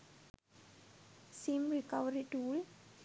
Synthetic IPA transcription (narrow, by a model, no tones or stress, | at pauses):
sĩmɾikaʋəɾiʈuːl